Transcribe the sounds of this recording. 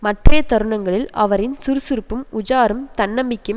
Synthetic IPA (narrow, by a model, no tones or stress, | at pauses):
mɐʈrejɐt̪ɐɾɯɳɐŋɡɐɭɪlɐ̰ʋɐɾɪnsʊɾɯsɪɾɯpːɯmʊd͡ʒaːɾɯmt̪ɐɳːɐmbɪkːɯm